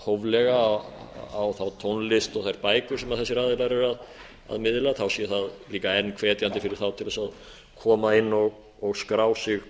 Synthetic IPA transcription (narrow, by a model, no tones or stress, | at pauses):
howvlɛɣa | awθawt̪ʰownlɪst̪ɔɣθajɾpaːjkʏɾ̥sɛmaðθɛsɪɾaðɪlaɾɛɾað | a̰ðmɪðɪlaθawsiθaðliːkaɛnːkʰvɛːt̪jant̪ɪfɪɾɪɾ̥θawt̪ʰɪlasað | kʰɔːmaɪnːɔɣ | ɔɣskɾaːwsɪɣ